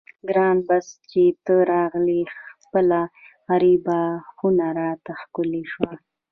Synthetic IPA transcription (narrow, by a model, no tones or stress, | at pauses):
ɡɾɑnbast͡ʃet̪əɾɑɣlixpəla | ɣaɾibaxunaɾɑt̪axkʊliʃwa